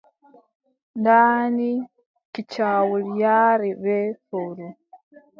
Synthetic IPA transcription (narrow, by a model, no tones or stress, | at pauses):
ndaːni | kit͡ʃaːwuljaːɾiβefoɾu